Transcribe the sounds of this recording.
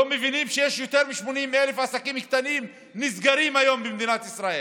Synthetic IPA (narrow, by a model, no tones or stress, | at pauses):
omevinimʃejeʃjo̞t̪eʁmiʃmo̞nimːeelefasakimkt̪anim | nizɡaʁimajo̞mbemd̪inat̪isʁae